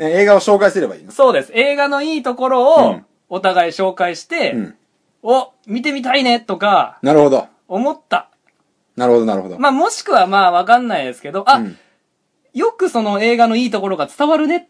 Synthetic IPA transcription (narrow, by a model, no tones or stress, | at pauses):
eeːɡaoɕo̞ːkaisɨɾe̞ba̰ḭːnoso̞ːd̪e̞sɨ̥e̞ːɡano̞iːt̪o̞ko̞ɾo̞ː | t̪aɡaiɕo̞ːkaiɕi̥t̪ẽ̞ | o | mʲit̪e̞mʲit̪̬aine̞t̪o̞kanaɾɯ̟ho̞d̪o | o̞mo̞t̪ːa | naɾɯhod̪onaɾɯ̟hod̪omaːmo̞ɕi̥kɯ̟βamaːβakãnːaid̪e̞sɨ̥ke̞d̪o̞ʔa | jo̞kɯ̟so̞no̞e̞ːɡano̞iːt̪o̞ko̞ɾo̞ɡat͡sɨ̥t̪aβaɾɯ̟ne̞